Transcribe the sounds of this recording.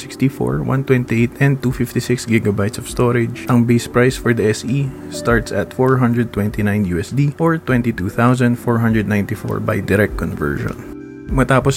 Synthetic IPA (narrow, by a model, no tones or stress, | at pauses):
sɪkst̪ifo̰ɹwɐ̰̃nt̪wɛ̃nt̪iʔejt̪ɛ̃nd̪̚t̪uːfɪft̪isɪksɡiɡɐbajt̪sɔfst̪oɾɛd͡ʒʔɐŋbejspɹajsfɔɹd̪ɐʔɛsi | st̪aɹt̪sɐt̪fɔɹɦɐ̃nd̪ɹɛd̪̚t̪wɛ̃nt̪inãj̃njuːɛsd̪iʔɔɹt̪wɛ̃nt̪it̪uːθawsɐ̃nd̪fɔɹɦɐ̃nd̪ɹɛd̪nãjnt̪ifɔ̰ɹba̰jd̪ɪɾɛk̚t̪̚kɔ̃nvɛ̰ɹʃɔ̰̃n | mɐt̪aːpɔs